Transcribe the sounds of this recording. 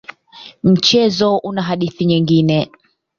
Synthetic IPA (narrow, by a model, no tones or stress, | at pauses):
m̩t͡ʃɛzɔʔunaɦaɗiθiɲiŋɡinɛ